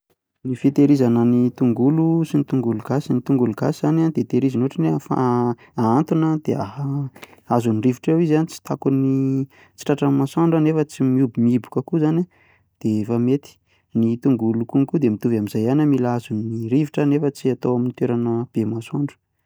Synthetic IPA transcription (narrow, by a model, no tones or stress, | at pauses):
nifit̪eɾizanənit̪uŋɡulusinit̪uŋɡuluɡasinit̪uŋɡuluɡasiz̥anand̪et̪eɾizanoʈ͡ʂinefa̰ | aant̪unəd̪̥eaɦaazuniriviʈ͡ʂewizanit͡si̥t̪akuni | t͡si̥ʈ͡ʂaʈ͡ʂəmasoɳɖ͡ʐənefət͡simiubumibukəkuzana | d̪̥efamet̪i̥ | nit̪uŋɡulukuŋkud̪emit̪uvamizajanamilazuniɾiviʈ͡ʂənefət͡siat̪owaminit̪eɾanəb̥emasoɳɖ͡ʐə̥